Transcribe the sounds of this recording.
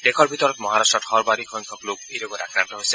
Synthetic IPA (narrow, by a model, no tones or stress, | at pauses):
d̥ekʰɔɹbʱit̪ɔɹɔt̪mɔɦaɾastɹɔtʰɔɹbaɾikʰɔjŋkʰɔklok̚ejloɡɔt̪akɹant̪ɔɦojsɛ̥